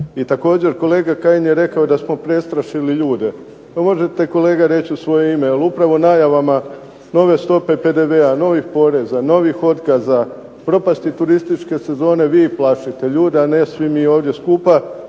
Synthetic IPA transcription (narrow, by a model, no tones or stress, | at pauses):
it̪ako̞ːd͡ʑe̞ɾko̞le̞ːɡakajinjeɾe̞kaod̪asmo̞pɾe̞st̪ɾaʃiliʎuːd̪e̞ | omo̞ʒe̞t̪e̞ko̞le̞ːɡaɾe̞t͡ɕiusʋo̞jeimejelupɾaʋo̞naːjaʋama | no̞ʋe̞st̪o̞pe̞pe̞d̪e̞ʋe̞ano̞ʋixpo̞ɾe̞zano̞ʋixo̞t̪kaza | pɾo̞past̪it̪uɾist̪it͡ʃke̞se̞zo̞ːne̞ʋiːplaʃit̪e̞ʎuːd̪eanesʋimioːʋd̪je̞skuːpa